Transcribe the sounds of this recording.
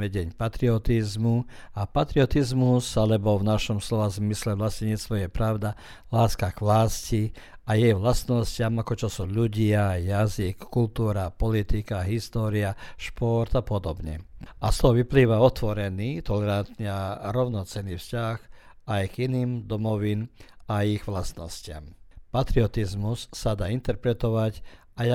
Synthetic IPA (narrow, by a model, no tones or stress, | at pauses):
mɛɟɛɲpat̪ɾiɔt̪izmuapat̪ɾiɔt̪izmusalɛbɔvnaʃɔmslɔʋazmislɛʋlascɛɲɛt͡st̪ʋɔjɛpɾaʊd̪a | laːskaɡʋlaːsci | ajɛjʋlast̪nɔscɪamakɔt͡ʃɔsuʎuɟɪajazikːult̪uːɾapɔlit̪ikaɦist̪ɔːɾiaʃpɔɾt̪apɔd̪ɔbɲɛ̰ʔast̪ɔɦɔʋipliːʋaɔt̪ʋɔɾɛniːt̪ɔlɛɾant̪ɲɛaɾɔʊnɔt͡sɛniːfscax | ajɡiniːmd̪ɔmɔʋinaiɣʋlast̪nɔscɪa̰mpat̪ɾiɔt̪izmusːad̪aːint̪ɛɾpɾɛt̪ɔʋac | aja